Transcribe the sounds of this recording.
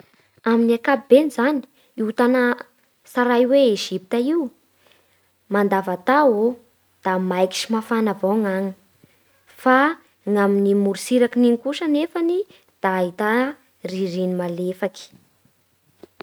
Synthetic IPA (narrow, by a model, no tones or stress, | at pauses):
aminiakapibenizani̥ | iut̪anə | saɾajweeʒipit̪aiwu | mand̪avat̪ao | d̪̥amajki̥ʃimafanavoŋaŋi | fa | ŋaminimuɾisiɾakininikuʃənefani | d̪̥aːɦit̪a | riɾinimalefaki̥